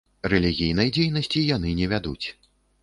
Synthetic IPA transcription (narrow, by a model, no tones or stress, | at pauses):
rɛlʲiɣʲijn̪ɐjd͡zʲejnɐsʲt͡sʲijan̪ɨnʲɛvʲad̪ṵt͡sʲ